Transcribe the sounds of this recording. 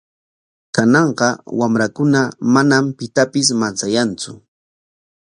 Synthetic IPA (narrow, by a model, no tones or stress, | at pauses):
kanɑɴɢɑwamɾakʊnamanampɪt̪apɪs̬mant͡sajant͡sʊ